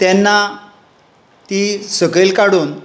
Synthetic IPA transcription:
t̪janːa | t̪isəɡɭelkaɽuːn

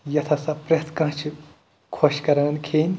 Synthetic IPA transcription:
jɐt̪ʰɐsɐpɾet̪ʰkɐ̃ɦt͡ʃʰu | kʰoʃkɐɾɐːnkʰeːnʲ

